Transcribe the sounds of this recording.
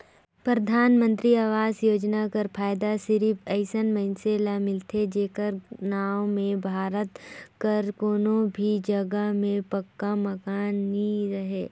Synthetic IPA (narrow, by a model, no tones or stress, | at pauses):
pɾəd̪ʱaːnmə̃nt̪ɾiaːʋaːzjoːd͡ʒnakɐɾpʰaːjd̪asɪɾipɛɪsənmɐɪnseːlamɪlt̪ʰed͡ʒeːkəɾnaːwmẽbʱaːɾət̪kɐɾkoːnõbʱid͡ʒɐɡəmẽpɐkːamɐkaːnːiɾɐɦeː